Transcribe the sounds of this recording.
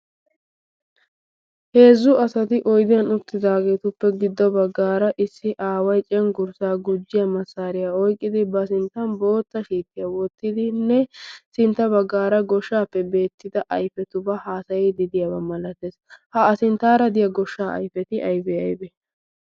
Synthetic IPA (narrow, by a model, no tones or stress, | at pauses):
he̞ːzːʊʔɐsɐt̪ɪʔɔjd̪ɪjɐnʊt̪ːɪd̪aːɡe̞ːt̪ʊpːɛɡɪd̪ːɔbɐɡːaːɾɐʔɪsːɪʔaːwɐjt͡ʃʼɛŋɡʊɾsaːɡʊd͡ʒːɪjɐmɐsːaːɾɪjaɔjkʼːɪd̪ɪbɐsɪnt̪ːɐnbo̞ːt̪ːɐʃiːt̪ːɪjɐwɔt̪ːɪd̪ɪnːɛsɪnt̪ːɐbɐɡːaːɾɐɡɔʃːaːpːɛbe̞ːt̪ːɪd̪ɐʔɐjfɛt̪ʊbɐhaːsɐjɛd̪ɪd̪ɪjabɐmɐlɐt̪eːshɐɐsɪnt̪aːɾɐd̪ɪjɐɡɔʃːaːɐ̰jfɛt̪ɪʔɐjbɛɐ̰jbɛ